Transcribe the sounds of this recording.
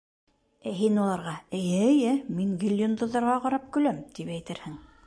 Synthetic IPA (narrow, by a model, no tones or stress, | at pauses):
æɦinulˠɑɾʁɑɘ̆jɘ̆ːjɘmiŋɡʲilʲːond̪ŏðːɑɾʁɑqɑɾɑp̚kɵ̆læmt̪ipæjt̪ɘɾhɘŋ